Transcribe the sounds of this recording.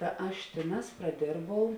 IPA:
tɐ ˈɐʃ ˈtʲeːˌnɑːs prɐˈdʲeːrbɐʊ

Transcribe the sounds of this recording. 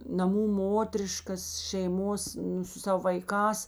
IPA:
nɐˈmuː ˈmoːtʲrʲɪʃkɐs ʃʲɛɪˈmoːs ˈnʊ sʊ ˈsɑːʋoː ʋɐɪˈkɑːs

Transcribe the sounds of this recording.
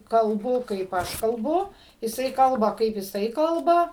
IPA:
kɐlˠˈbʊ kɐɪp ˈɐʃ kɐlˠˈbʊ jɪˈsɐɪ ˈkɐlˠbɐ kɐɪp jɪˈsɐɪ ˈkɐlˠbɐ

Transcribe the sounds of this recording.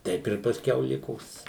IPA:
ˈtʲɛɪp ɪr pɐsʲˈkʲɛʊ ˈlʲɪkoːs

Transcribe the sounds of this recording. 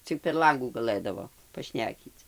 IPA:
ˈt͡sʲɪk pʲɛr ˈlˠɐŋɡuː ɡɐˈlˠɘdɐʋoː pɐˈʃʲnʲæːkʲiːt͡s

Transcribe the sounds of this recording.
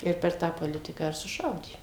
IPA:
ˈɪr pʲɛr ˈtɑː poːˈlʲɪtʲɪkɑː ɪr sʊˈʃɐʊdʲeː

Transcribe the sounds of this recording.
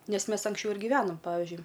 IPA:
ˈnʲɛs ˈmʲɛs ɐŋksʲˈt͡ʃʲɛʊ ɪr ɡʲiːˈʋʲæːnoːm ˈpɑːʋʲɪʒʲʊɪ

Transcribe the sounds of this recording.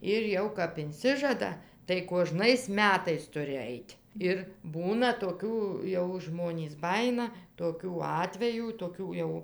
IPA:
ˈɪr ˈjɛʊ kɐp ɪnʲˈsʲɪʒɐdɐ tɐɪ kuɔˈʒnɐɪs ˈmʲæːtɐɪs ˈtʊrʲɪ ˈɐɪtʲ ˈɪr ˈbuːnɐ toːˈkʲuː ˈjɛʊ ˈʒmoːnʲiːs ˈbɑːjɪnɐ toːˈkʲuː ˈɑːtʲʋʲɛjuː toːˈkʲuː jɛʊ

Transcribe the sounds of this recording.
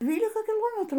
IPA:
ˈdʲʋʲiːlʲɪkɐ kʲɪˈlˠoːmʲɛtruː

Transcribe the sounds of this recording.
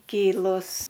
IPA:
ˈkʲiːlˠʊs

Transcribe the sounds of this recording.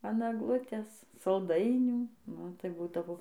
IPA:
ɐn ɐɡˈlˠʊtʲeːs sɐlˠˈdɐɪnʲuː ˈnʊ tɐɪ ˈbuːdɐʋoː

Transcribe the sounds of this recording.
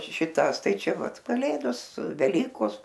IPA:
ʃʲɪˈtɑːs ˈtɐɪ ˈt͡ʃʲɛ ˈʋɐt kɐˈlʲeːdoːs sʊ ʋʲɛˈlʲiːkoːs

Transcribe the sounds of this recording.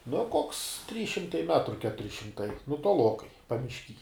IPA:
noː koːks tʲrʲiːs ʃʲɪmˈtɐɪ ˈmʲæːtrʊ ˈkʲæːtʊrʲɪ ʃʲɪmˈtɐɪ nʊ toːˈlˠoːkɐɪ pɐmʲɪʃʲˈkʲiː

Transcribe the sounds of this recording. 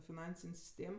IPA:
fʲɪˈnɐnʲsʲɪnʲ sʲɪsʲˈtʲeːm

